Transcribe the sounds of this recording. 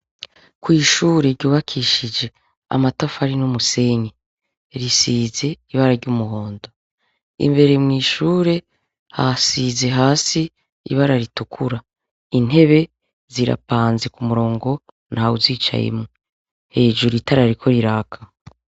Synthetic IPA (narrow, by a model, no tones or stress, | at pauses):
kwiːʃuːɾe̞ɾɟuːβakʰiʃid͡ʒe̞ | a̰matafaɾinumuse̞ɲe | ɾisiːze̞iβaɾaɾɟumuɦo̞ːndo̞ | ḭmbe̞ɾe̞mŋiːʃuːɾe̞ | hasize̞ɦaːsḭː | βaɾaɾitukʰuɾa | in̥e̞βe̞ | ziɾa̰paːnzekumuɾo̞ːŋɡo̞ | nhaːuziːt͡ʃa̰jḛmŋe | he̞ːd͡ʒuɾitaɾaɾikʰo̞ɾiɾaːkʰḁ